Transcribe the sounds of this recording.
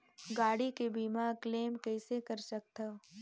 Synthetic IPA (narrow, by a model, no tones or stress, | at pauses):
ɡaːɽikebiːmakleːmkɛːsekɐɾsɐk̚t̪ɐ